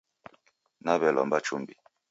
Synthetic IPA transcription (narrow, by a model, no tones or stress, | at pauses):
naβɛlɔ̰mbat͡ʃumbi